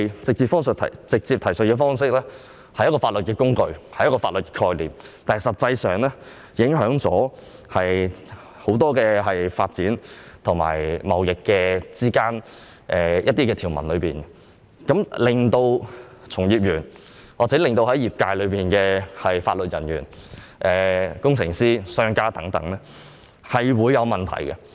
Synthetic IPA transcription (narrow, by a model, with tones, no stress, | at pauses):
jt͡sɪ˨k̚t͡siː˧pfɔː˥ŋsə˨˩t̪ʰɐ̰˨˩t͡sɪ˨k̚t͡siː˧p̚t̪ʰɐ˨˩sɵ˨t̚kɛː˧fɔː˥ŋsɪ˥k̚lɛː˥ | hɐ˨˩jɐ˥tkɔː˧faː˧t̚lɵ˨t̚kɛː˧kʊ˥ŋkɵ˧ɥhɐ˨jɐ˥kɔː˧faː˧t̚lɵ˨t̚kɛː˧kʰɔː˧jliː˨˩m | t̪aː˨n˨sɐ˨t̚t͡sɐ˧jsœː˨˩ŋlɛ˥ | jɪ˨˥ŋɦœː˨˥ŋt͡sɔː˨˥ | hɐ˨j | ho˨˧˥wt̪ɔː˥kɛː˧ɦɐ˨jfaː˧t̚t͡siː˨˥nt̪ʰʊ˨˩ŋma̰ː˨˩jmɐ˨˧wjɪ˨kːɛː˧t͡siː˥kaː˥n | ʔɛː˨˩jʔɐ˥t̚t̪iː˥kɛː˧t̪ʰiː˨˩wmɐ̰˨˩nlɵ˨˧ɥpiː˨nɛ | kɐ˨˥mlɪ˨˩ŋt̪o˧w | t͡sʰʊ˨˩ŋjiː˨p̚jyː˨˩n | waː˨t͡sɛː˨˥lɪ˨ŋt̪o˧whɐ˨˥jiː˨p̚kaː˧jlɵ˨˧ɥpiː˨nkɛː˧hɐ˨jfa̰ː˧t̚lɵ˨t̚jɐ˨˩nɥy̰ː˨˩n | ʔɛː˨kʊ˥ŋt͡sʰɪ˨˩ŋsiː˥sœː˥ŋkaː˥t̪ɐ˨˥ŋt̪ɐ̰˨˥ŋnɛ˥ | hɐ˨jwuː˨˧jːɐ˨˧wmɐ˨˩nt̪ʰɐ̰˨˩jkɛ˧